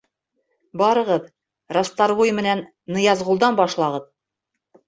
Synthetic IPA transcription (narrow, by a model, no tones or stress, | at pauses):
bɑɾɤ̆ʁɤð | rast̪ɑɾbujmɘ̆nænː | ɤ̆jɑzʁulˠd̪ɑnbɑʃlˠɑʁɤð